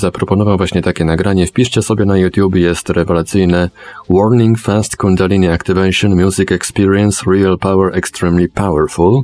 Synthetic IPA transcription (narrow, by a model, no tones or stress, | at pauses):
zapɾɔpɔnɔvavwaɕɲɛt̪akʲɛnaɡɾaɲɛfpʲiʂt͡ɕɛsɔbʲjɛnajut̪ʲjubʲɛjɛst̪ɾɛvɛlat̪sɘjnɛwɔɾnʲiŋɡfast̪kund̪alʲiniakt̪ɨvɛjʂɔnmʲjuzikɛkspʲiɾiɛnsɾialpawɛɾʔɛkst̪ɾimlʲipawɛɾful